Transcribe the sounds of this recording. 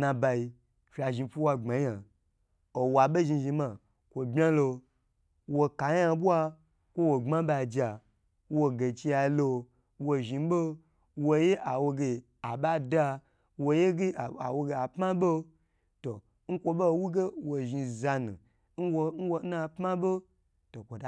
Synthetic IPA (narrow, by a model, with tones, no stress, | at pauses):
nã˧ba˧i˧ | fʲa˧ʒi˧fu˦wa˧ŋ͡ma˨˦a˨ | o˨wa˨ɓe˦ʒi˧ʒĩ˧mã˧˨ | kʷo˨bʲa˦lo˧ | wo˧ka˨ja˧bu˦a˧ | kʷo˦wo˨ŋ͡ma˦ba˧˨d͡ʒa˨ | wo˧ɡe˨t͡ʃi˧ja˧lo˧ | wo˧ʒi˧bo˦ | wo˧je˦ʔa˨wo˧ɡe˧ | a˨ɓa˦da˧ | wo˧je˦ɡe˦˨a̰˨wo˧ɡe˧a˨pma˦bo˦ | to˨ | ŋ̩˦kʷo˧be˦˨wu˦ɡe˦wo˨ʒi˧za˧nṵ˨ | n̩˦wo˧n̩˦wo˧˦a˧pma˦bo˦ | to˨kʷo˨da˨